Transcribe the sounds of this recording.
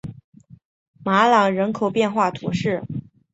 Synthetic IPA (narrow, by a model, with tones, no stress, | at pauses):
ma˧˥lɑ˨˩ŋɻə˧˥nkʰo˨˩ʊpjɛ˥˧nxwa˥˩t̪ʰṵ˧˥ʂɻ̩˥˩